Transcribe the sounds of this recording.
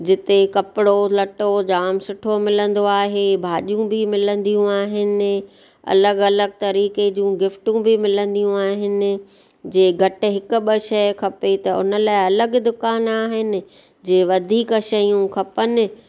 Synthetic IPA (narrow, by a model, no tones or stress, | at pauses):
d͡ʑɪt̪ekɐpɪɽolɐʈod͡ʑaːmsʊʈʰomɪlə̃nd̪oaːɦebʱaːʄijũbɪmɪlə̃nd̪ijũaːɦɪnɪ̆ | ɐ̰ləɡɐləɡ̚t̪ɐɾiːked͡ʑũːɡɪfʈũbɪmɪlə̃nd̪ijũaːɦɪnɪ̆ | d͡ʑeːɡʱɐʈɪ̆ɦɪkʊ̆ɓəʃɐkʰɐpet̪ɐʊ̰nəlaːɪɐləɡd̪ʊkaːnaːɦɪnɪ̆ | d͡ʑeːʋɐd̪ʱiːkʃɐjũkʰɐpənɪ̆